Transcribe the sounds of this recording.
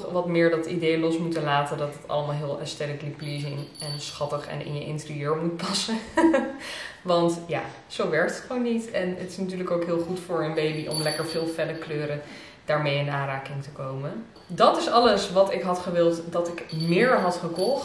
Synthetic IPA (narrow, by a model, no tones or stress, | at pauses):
ʋɑtmɪːɹdɑtidejlɔsmutəlaːtədɑtətɑ̰ləmaːlˠɦɪːlˠɛstɛləklikplizɪŋɛnsχɑtəχɛ̰nɪ̰njəʔɪ̰ntərijøːɹmut̚pɑsə | ʋɑntjaː | z̥owʋɛɹk̚tətχəʋownːitɛnətɪ̥snatyːɹləkowkɦɪːlˠχutfʊːɹənbejbiʔɔ̰mlɛkəɹvɪːlˠfɛdəkløːɾə | d̥aːɹmejɪnaːraːkɪŋtəkowmə | dɑtɪsɑləsʋɑtɪkɦɑtχəʋɪlˠtdɑtɪkmɪːɹɦɑtχəkɔχt